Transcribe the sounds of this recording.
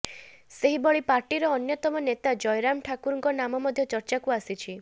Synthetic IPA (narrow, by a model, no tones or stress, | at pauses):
seɦibɔɭipaɾʈiɾɔːnjɔt̪ɔmɔnet̪ad͡ʒɔjɾamʈʰakuɾɔŋkɔnamɔmɔd̪ʱjɔt͡ʃɔɾt͡ʃakuasit͡ʃʰi